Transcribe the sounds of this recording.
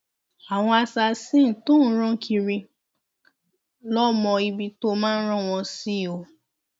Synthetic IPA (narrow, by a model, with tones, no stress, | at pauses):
a˨w̃ɔ̃˧a˧sa˧sĩ˦˨tõ˦˨n̩˦ɾ̃ɔ̃˦kʰi˧ɾi˧ | lɔ˦mɔ̃˧i˧bi˧to˦mãː˦n̩˦ɾ̃ɔ̃˦˨w̃ɔ̃˧si˦˨o˧˨